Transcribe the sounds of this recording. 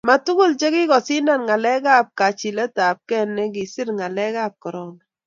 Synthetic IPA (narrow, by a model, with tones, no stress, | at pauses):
ma˨tu˦ɡu˦˨lt͡ʃe˦ɡɪ˦ɡɔ˨sɪ˦na˦˨nŋa˨lɛ˦ɡa˦p̚ka˨t͡ʃi˨lɛ˦ta˨p̚kɛ˦nːɛ˦ɡɪ˨sɪ˦ɾŋa˨lɛ˦ɡa˦˨p̚kɔ˨ɾɔ˨na˨